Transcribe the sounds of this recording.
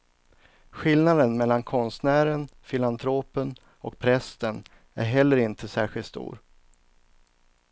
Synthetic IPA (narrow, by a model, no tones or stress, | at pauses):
ɧɪlnad̪ənmɛlːankʰɔnst̪næːɾənfɪlant̪ʰɾoːpən | ɔ̰k̚pʰɾɛst̪ən | æ̰ɾɦɛlːəɾɪnt̪ʰəsæːɧɪlt̪st̪ṵːɾ